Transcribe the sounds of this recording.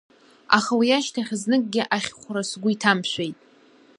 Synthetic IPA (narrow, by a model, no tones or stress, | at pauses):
a̰χawijaʃtʰaχʲznɨkʼɡʲɪʔaχʲχʷɾasɡʷʊitʰamʃʷᶣejtʼ